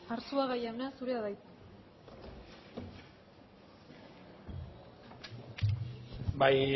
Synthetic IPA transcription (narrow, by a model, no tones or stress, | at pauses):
aɾsuaɣajawnasuɾe̞aðajt̪ | baj